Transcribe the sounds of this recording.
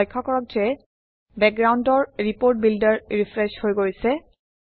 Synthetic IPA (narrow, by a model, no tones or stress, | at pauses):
jkʰːɔkɔɹɔk̚d͡ʒɛ | bɛk̚ɡɹawndɔɹɹipoɹt̚bildaɹɹifʰɹɛʃhojɡoɹisɛ